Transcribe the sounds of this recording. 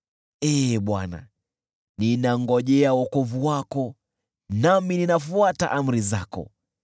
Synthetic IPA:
ɛɓwana̰ | ninaŋɡɔʄɛawɔkɔvuwakɔ | namininafuata̰ʔam̩ɾizakɔ̰

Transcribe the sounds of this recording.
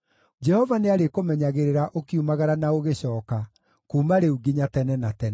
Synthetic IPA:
d͡ʒɛhɔvaneaɾekomɛɲaɣeɾeɾaʔokiumaɣaɾanaoɣeɕɔːka | kuːmaɾeuɡiɲatɛnɛnatɛnɛ

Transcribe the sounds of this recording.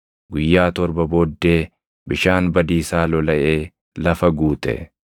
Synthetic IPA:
ɡʊjːaːt̪ɔɾbɐboːd̪ːe̞ː | bɪʃaːnbɐd̪iːsaːlɔlɐʔe̞ː | lɐfɐɡuːt̪ʼɛ̰

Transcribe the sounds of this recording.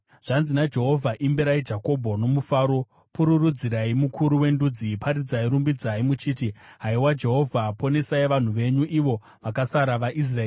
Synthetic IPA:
ʐ̥anzinad͡ʒe̞ɦo̞vʱaʔimbeɾaid͡ʒako̞bʱo̞no̞mufaːɾo̞ | puɾurud͡ziɾaimukʰuɾuwe̞ndud͡zipʰaɾid͡zaiɾumbid͡zaimut͡ʃiːtiɦaiwad͡ʒe̞ɦo̞vʱapo̞ne̞saiʋan̤uʋe̞ɲuʔiʋo̞ | ʋakasaɾaʋaʔis̬raeː

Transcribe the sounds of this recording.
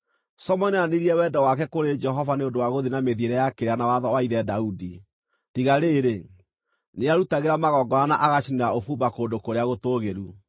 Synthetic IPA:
sɔmɔninaniɾiɛwɛdɔwakɛkoɾed͡ʒɛɦɔvaneondowaɣoðinameðieɾɛjakeɾeanawaðɔwaiðɛdaudi | tiɣaɾeːɾe | neaɾutaɣeɾamaɣɔɡɔɾanaʔaɣaʃiniɾaofuːmbakoːndokoɾeaɣotoːɣeɾu

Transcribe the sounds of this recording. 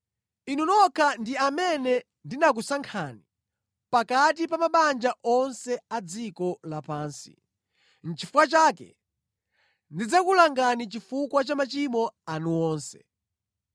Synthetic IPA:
inunɔkʰandiamɛnɛ | ndinak̬usaŋkʰaːni | pakat̬ipamaɓand͡ʒaʔɔnsɛad͡zikɔlapaːnsi̥̰ | n̩t͡ʃifukwat͡ʃaːkɛ̰ | ndid͡zakulaŋɡanit͡ʃifukwat͡ʃamat͡ʃimɔanuɔːnsɛ

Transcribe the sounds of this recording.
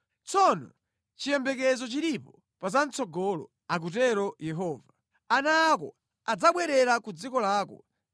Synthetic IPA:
t͡sɔnɔ̰ | t͡ʃijɛmbɛk̬ɛzɔt͡ʃiɾipɔ | pazan̩t͡sɔɡɔlɔ̰ | ak̬ut̬ɛɾɔjɛɦɔːva | anaːkɔ̰ | ad͡zaɓwɛɾɛɾakud͡zikɔlaːkɔ̰

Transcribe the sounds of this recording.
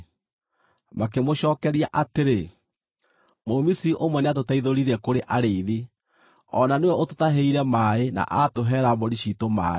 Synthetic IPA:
makemoɕɔːkɛɾiaʔateɾe | momisiɾiʔomwɛneat̬otaiðoɾiɾɛkoɾeʔaɾeiði | ɔnanewɛototaɦeiɾɛmaena̰ʔatoɦɛːɾaβoɾiɕitoma̰ːe

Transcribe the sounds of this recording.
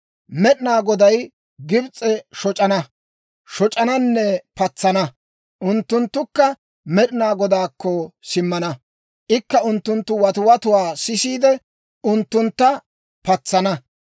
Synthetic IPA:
mɛɗɪnaːɡɔd̪ɐj | ɡɪbt͡sʼːɛʃɔt͡ʃʼɐnɐ | ʃɔt͡ʃʼɐnɐnːɛpɐt͡sːɐnɐ | ʔʊnt̪ːʊnt̪ːʊkːɐ | mɛɗɪnaːɡɔd̪aːkːɔsɪmːɐnɐ | ʔɪkːɐʊnt̪ːʊnt̪ːʊwɐt̪ʊwɐt̪ʊwaːsɪsiːd̪ɛ | ʊnt̪ːʊnt̪ːɐ | pɐt͡sːɐnɐ

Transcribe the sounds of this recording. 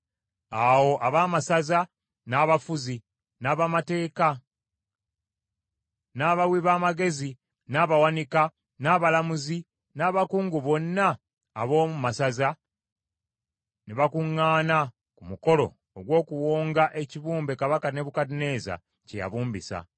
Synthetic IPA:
awo̞ʔaβaːmasaza | naːβafuzi | naːβamate̞ːka | naːβawiβaːmaɡe̞zi | naːβawanika | naːβalamuzi | naːβakuːŋɡuβo̞nːaː | βo̞ːmumasaza | neβakuŋːaːna | kumuko̞lo̞̰ːɡwo̞ːkuwoːŋɡaʔe̞ciβuːmbe̞kaβakane̞βukadine̞ːza̰ | ceja̰βuːmbisa̰

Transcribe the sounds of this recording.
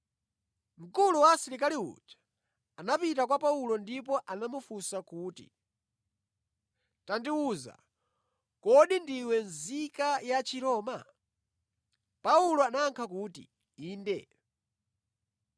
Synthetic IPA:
m̩kuluwasiɾikaliṵd͡ʒḁ | anapitakwapaulɔndip̬ɔʔanamufusakuːtḭ | tandiwuza̰ | kɔɗindiwɛnzikajat͡ʃʰiɾɔːma̰ | paulɔanaːŋkʰakuːtḭ | iːndɛ̰

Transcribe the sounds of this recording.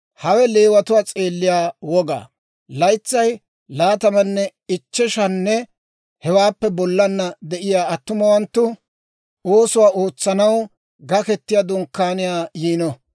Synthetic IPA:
hɐwɛle̞ːwɐt̪ʊwaːt͡sʼe̞ːlːɪjaːwɔɡa̰ː | lɐjt͡sːɐj | laːt̪ɐmɐnːɛ | ɪt͡ʃːɛʃɐnːɛ | hɛwaːpːɛbɔlːɐnːɐd̪ɛʔɪjaːɐt̪ːʊmɐwɐnt̪ːʊ | o̞ːsʊwaːo̞ːt͡sːɐnɐw | ɡɐkɛt̪ːɪjad̪ʊŋkːaːnɪjaːjiːnɔ

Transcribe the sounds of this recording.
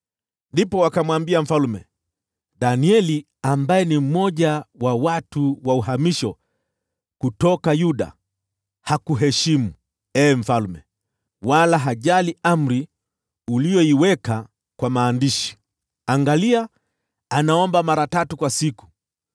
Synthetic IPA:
ndipɔwakamwambiam̩falmɛ̰ | ɗaniɛli | ambajɛnim̩mɔʄawawatuwauɦamiʃɔ | kutɔkajuɗa̰ | hakuɦɛʃimu | ɛm̩falmɛ | walaɦaʄaliam̩ɾi | ulijɔiwɛka | kwamaːndiʃi̥ | aŋɡaliaː | naɔmbamaɾatatukwasiku̥

